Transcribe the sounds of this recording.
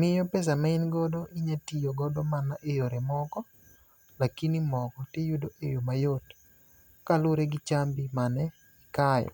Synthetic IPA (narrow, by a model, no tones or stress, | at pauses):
mɪjɔpɛs̬amaɪnɡɔdɔʔɪɲatijoɡɔdɔmanaʔejoɾemɔkɔ | lakinimɔkɔtejudoʔḛjomajot | kalʊɾeɡɪt͡ʃambimanɛ | ɪkajɔ̰